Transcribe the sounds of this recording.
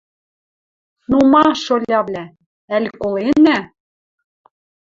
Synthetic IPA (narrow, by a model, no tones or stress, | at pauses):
numɑʃolʲɑβlʲæ | ælʲkolenæ